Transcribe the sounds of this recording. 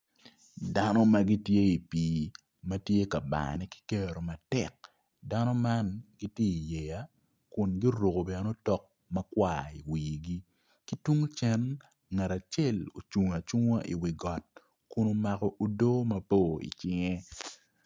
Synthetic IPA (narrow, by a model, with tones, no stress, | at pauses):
da˦nɔ˦mɐ˦ɡi˦tje˦i˨piː˨ | mɐ˦tje˦ka˨ba̰˨nɛ˦ki̥˦ke˦ɾo˨ma˨tɛ˨k̚ | da˦nɔ˦ma˦nɡi˦tje˦i˨je˨ja˦ | kʊ˨nɡi˦ɾo˨ko˨bɛ˨no˦tɔ˦k̚ | mɐ˦kwaː˦i˨wiː˨ɡi˦ | ki˦tu˦ŋ˦t͡ʃɛ˦n | ŋa˨ɾa˨t͡ʃe˦˨lo̰˨t͡ʃu˨ŋa˨t͡ʃu˦ŋa˦ʔḭ˨wi˨ɡɔ˨t̚ | kʊ˦no˦ma˨kɔ˦ʔo˨do˦mɐ˦po˦ḭ˨t͡ʃɪ˦ŋe˦